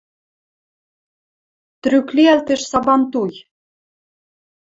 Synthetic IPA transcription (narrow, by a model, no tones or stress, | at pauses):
t̪ɾykliælt̪ɘ̆ʃsɑbɑnt̪uj